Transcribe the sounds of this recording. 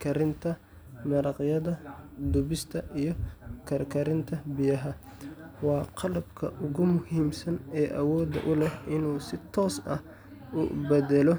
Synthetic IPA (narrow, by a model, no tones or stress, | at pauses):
kʰɐɾɪnt̪ʰɐ | mɐɾɑqjɐðɐd̪ʊbɪst̪ʰɐʔijɞkʰɐɾkʰɐɾɪnt̪ʰɐbɪjɐɦɐ | wɑːqɑlɐbkʰɐ̰ʔʊɣʊmʊhiːmsɐnɛːʔɐ̰wɔːd̪ɐ̰ʔʊlɛɦɪnuːsɪt̪ʰɔːsɐ̰h | ʊ̰bɛdɛlɔ